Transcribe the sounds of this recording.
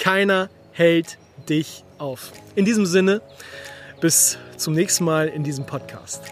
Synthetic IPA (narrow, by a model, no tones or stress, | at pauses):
kʰaɪnɐ | hɛlt | d̥ɪçʔaʊfʔɪndiːzəmzɪnə | b̥ɪst͡sʊmnɛːçstn̩maːlɪndiːzəm̩pʰɔt̚kʰa̰ːst